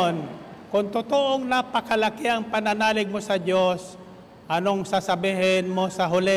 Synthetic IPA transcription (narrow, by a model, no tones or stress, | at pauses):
nkʊŋt̪ʊt̪oʔoŋnapɐkɐlakɪʔɐŋpɐnanaːlɪɡ̚mosɐd͡ʒos | ʔɐnoŋsasɐbiːɦɪnmosɐɦʊlɪ